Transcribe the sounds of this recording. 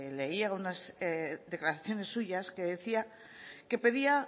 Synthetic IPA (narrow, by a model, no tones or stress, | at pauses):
le̞iaunazðe̞klaɾaθjo̞ne̞sːuʝaske̞ðe̞θia | ke̞pe̞ðia